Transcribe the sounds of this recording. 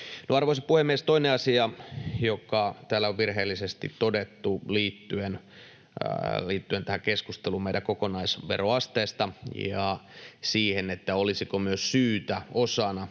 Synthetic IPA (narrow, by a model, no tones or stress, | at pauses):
noɑrʋoisipuhemːiest̪oineɑsiɑjokɑt̪æːlːæoʋʋirɦeːlːisest̪ḭt̪t̪odet̪ːuliːt̪ːyen | liːt̪ːyent̪æhækeskust̪elumeiɾækokonɑisʋḛroɑst̪eːst̪ɑjɑsiːhenet̪ːæolisikomyøssyːt̪æosɑnɑ